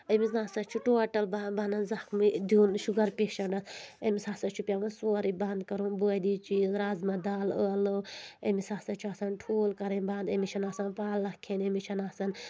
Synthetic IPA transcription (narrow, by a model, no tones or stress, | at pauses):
əmiznaːsɐt͡ʃʰuʈoːʈɐlbabanɐnzɐkmid̪unʃuɡɐɾpʲeʃɐɳɖɐsəmisaːsɐt͡ʃʰupʲaʋɐnsoːɾibɐnd̪kɐɾunbuːd̪iːt͡ʃiːzɾaːzmɐd̪aːləɐlɨemisaːsɐt͡ʃʰuaːsɐnʈʰoːlkɐɾenband̪ɐmit͡ʃʰɐnaːsɐnpaːlːɐkʰenemit͡ʃʰɐnaːsɐn